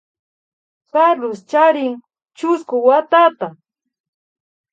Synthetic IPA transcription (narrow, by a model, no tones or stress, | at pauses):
kalʊst͡ʃaɾɪŋ | t͡ʃʊskʊwat̪at̪a